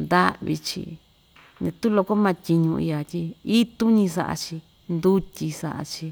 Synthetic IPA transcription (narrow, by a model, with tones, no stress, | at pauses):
nd̪a˦ʔβḭ˧t͡ʃḭ˧ | ɲã˧t̪u˦lo˧ko˦mã˧tʲi˧ɲũ˧ʔḭ˧a˧t̪ʲi˧i˦t̪u˦ɲĩ˧sa̰˧ʔa̰˧t͡ʃi˧ | nd̪u˦tʲi˧sa̰˧ʔa̰˧t͡ʃi˧